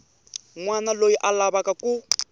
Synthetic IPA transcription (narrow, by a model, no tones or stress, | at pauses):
ŋwanalojiʔalaβakakʼu